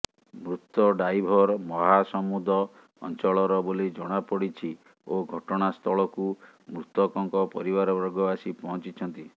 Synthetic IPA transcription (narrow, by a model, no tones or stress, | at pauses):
mɾut̪ːɔɖajbʱɔɾmɔɦasɔmud̪ʱɔ̰ː | nt͡ʃɔɭɔɾɔbolid͡ʒɔɽ̃apɔɽit͡ʃʰi | oɡʱɔʈɔɽ̃ast̪ʰɔɭɔku | mɾut̪ɔkɔŋkɔpɔɾibaɾɔbɔɾɡɔasipɔɦɔ̃t͡ʃit͡ʃʰɔnt̪i